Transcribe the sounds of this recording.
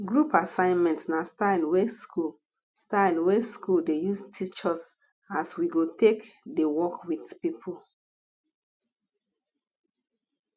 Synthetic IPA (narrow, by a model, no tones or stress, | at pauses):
ɡɹupasãɪ̃nmɛ̃ntnastaɪlweskul | staɪlweskuldejustʰit͡ʃɔs | aswiɡotekdewɔkwitpipʰul